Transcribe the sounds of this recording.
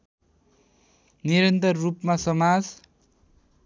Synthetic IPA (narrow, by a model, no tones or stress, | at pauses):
niɾʌnt̪ʌrːupmasʌmad͡z